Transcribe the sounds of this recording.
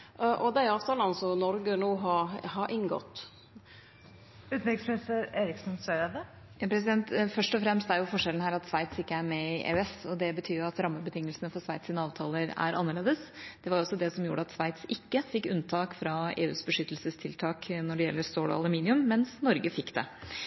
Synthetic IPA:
ʔɔd̪æɪɑːʋt̪ʰɑːlɑnsɔnɔɾɡənuːɦɑɾhɑɾʔɪŋɡɔ̰t̪ː | ʉːt̪ʋɛksmɛsəɾeːɾɪksnsœɾɛd̪ə | jɑːpʰɾɛs̬ɪd̪ɛnt̪fœʂʈɔfɾɛmst̪æɾjʊfɔʂɛlən̩hæːɾɑt̪sʋæɪt̪sɪkːəæɾmɛɪʔḛɛsɔd̪ɛbət̪ʰyːɾjʊɑt̪ɾɑmːəbət̪ʰɪŋːəlsənəfɔɾʂʋæɪt̪sɪːnəɑːʋt̪ʰɑːləɾæ̰ɾɑnːəɭeːd̪əsd̪̥ɛʋɑɾɔsːɔd̪ɛsɔmjuːɖəɑt̪sʋæɪt̪sɪkːəfɪkːʉnt̪ʰɑːkfɾɑḛːʉːsbəʂʏt̪ːəlsəst̪ʰɪlt̪ʰɑːknɔɖɛjɛlːəɾst̪oːɽɔ̰ɑ̰lʉmiːnɪʉmːɛnsnɔɾɡəfɪkːd̪ɛ̰

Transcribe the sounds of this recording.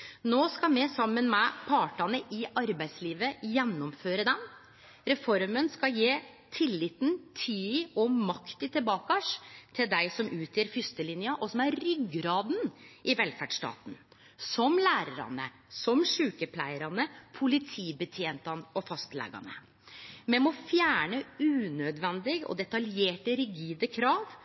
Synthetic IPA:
noːskɑmɛsɑmːənmɛpʰɑːʈɑnəʔɪʔɑɾbæɪsliːʋəjɛnːɔmføːɾəd̪ɛm | ɾɛfɔɾmənskɑjeː | t̪ʰɪlːɪt̪nt̪ʰiːɔmɑkt̪ɪt̪ʰɪlbɑːkɑʂt̪ʰɪld̪æɪsɔmʉːt̪ʰjeːɾfʏst̪əlɪnjɑʔɔsɔmæɾɾʏɡɾɑːd̪n̩ʔɪʋɛlfæɖʂʈɑ̰ːt̪n̩ | sɔmlæːɾəɾɑ̰nə̰ | sɔmʂʉːkəpʰlæɪəɾɑnəpʰʊlɪt̪ʰiːbət̪ʰjeːnt̪ɑnɔfɑst̪lɛ̰ːɡɑ̰nə̰ | mɛmɔfjæːɳəʉːnød̪ʋɛnd̪ɪɡɔ̰d̪ɛt̪ɑljeːʈəɾɪɡiːd̪əkʰɾɑːʋ

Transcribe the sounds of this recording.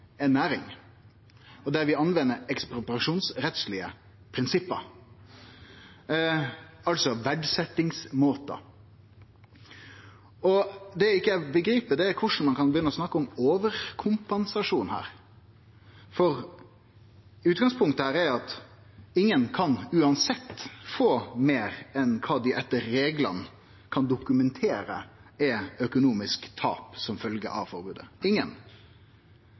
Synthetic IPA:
ɛnːæːɾɪ̰ŋ | ɔd̪ɛɾʋɪɑnʋɛnːəɾɛkspɾɔpɾɑʂuːnsɾɛt̪slɪə | pʰɾɪnsɪpːə̰ | ɑlsɔʋæɖsɛt̪ːɪŋsmoːt̪ɑ̰ | ɔd̪ɛɪkːəæbəɡɾiːpəd̪ɛɛkʰʊʂn̩mɑnkʰɑnbəjʏnːəɔsnɑkːəɔmoːʋəɾkʰʊmpɛnsɑʂuːnhæ̰ːɾ | fɔɾ | ʉːt̪̚ɡɑŋspʰʊŋkt̪əhæːɾæɾɑt̪ | ɪŋːənkʰɑnʉːɑnsɛt̪ːfoːmeːɾɛnkʰɑːd̪ɪʔɛt̪ːəɾːeːɡlə̰n | kʰɑnd̪ʊkʉmɛnt̪ʰeːɾə̰ɛœkʊnuːmɪskt̪ʰɑ̰ːpsɔmfœlɡə̰ʔɑ̰ʋfɔɾbʉːd̪ə̰ɪŋːən

